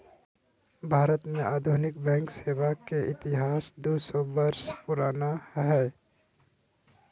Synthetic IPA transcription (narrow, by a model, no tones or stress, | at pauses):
bʱaːɾət̪mẽʔaːd̪ʱunɪk̚bɛ̃ːŋkseːʋakeʔɪt̪ɪɦaːsd̪oːsɔbəɾspʊɾaːnaɦɛː